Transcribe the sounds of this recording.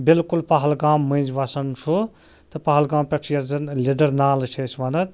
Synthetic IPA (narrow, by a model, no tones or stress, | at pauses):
bilkulpɐɦɐlɡaːmːɐ̃jnd͡ʒʋɐsɐnt͡ʃʰu | t̪ɐpɐɦɐlɡãːmpʲɐʈʰijɐzɐnlid̪ɐɾnaːlt͡ʃʰesʋɐnɐt̪̚